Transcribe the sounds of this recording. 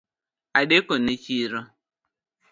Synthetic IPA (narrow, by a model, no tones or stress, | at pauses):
adekonet͡ʃiɾɔ